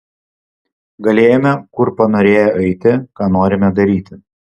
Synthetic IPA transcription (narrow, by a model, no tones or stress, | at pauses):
ɡɐlʲeːjomʲɛkʊɾpɐnoːɾʲeːjoʔɐɪt̪ʲɪkɑːnoːɾʲɪmʲɛd̪ɐɾʲiːt̪ʲɪ